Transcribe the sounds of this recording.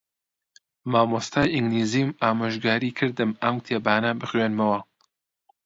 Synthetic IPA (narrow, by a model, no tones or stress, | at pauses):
maːmost̪ʰaːjiŋɡliːziːmaːmaʒɡaːɾiːkʰɨɾd̪ɨmɐmt̪ʰeːbaːnɐbɨxwenmɐwɐ